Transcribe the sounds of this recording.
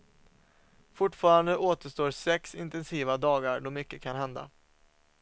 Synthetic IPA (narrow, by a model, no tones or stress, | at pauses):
fʊʈːfɑːɾand̪əʔoːt̪əʂt̪oːɾsɛksɪnt̪ɛnsiːvad̪ɑːɡaɾɖɔmʏkːəkʰanɦɛnd̪a̰